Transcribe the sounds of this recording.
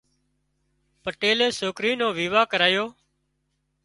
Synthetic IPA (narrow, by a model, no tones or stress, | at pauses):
pəʈeːleːsoːkɾiːnõːʋiːʋaːkəɾaːjoː